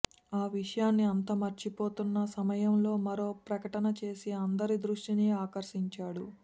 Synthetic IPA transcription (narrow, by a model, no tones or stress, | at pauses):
aːʋiʂɐjaːnːiɐnt̪ɐmɐɾt͡ʃipo̞ːt̪unːɐsɐmɐjɐmlo̞ːmɐɾo̞ːpɾɐkɐʈɐnɐt͡ʃe̞ːsiɐnd̪ɐɾid̪ɾuʂʈiniːaːkɐɾʂiɲt͡ʃaːɽṵ